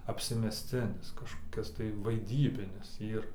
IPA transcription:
ɐpʲsʲɪmʲɛsʲˈt͡sʲɪnʲɪs kɐʃkoːˈkʲɪs tɐɪ ʋɐɪˈdʲiːbʲɪnʲɪs ˈiːr

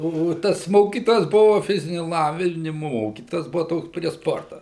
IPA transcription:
ˈoː ˈoː ˈtɐs ˈmoːkʲiːtoːjɛs ˈbʊʋɐ ˈfʲɪzʲɪnʲʊ lˠˈɑːʋʲɪnʲɪmʊ ˈmoːkʲiːtoːjɛs ˈbʊʋɐ ˈtoːks pʲrʲiɛ ˈspoːrtɐ

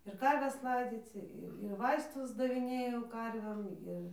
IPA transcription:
ɪr ˈkɐrʲʋʲɛs ˈlˠɐɪd͡zʲiːt͡s ɪr ɪr ˈʋɐɪstʊs dɐʋʲɪˈnʲeːjɛʊ ˈkɐrʲʋʲeːm ˈɪr

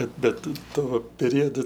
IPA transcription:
ˈbʲɛt ˈbʲɛt ˈtʊ ˈtuɔ pʲɛˈrʲoːdʊ

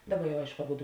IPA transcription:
ˈdɑːˌbɐ jɛʊ ˈɐɪʃkʊ ɐˈbʊdʊ

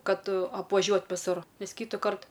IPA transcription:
ˈkɐt ɐpʋɐˈʒʲuɔt ʋʲɪˈsʊr ˈnʲɛs ˈkʲiːtʊkɐrt

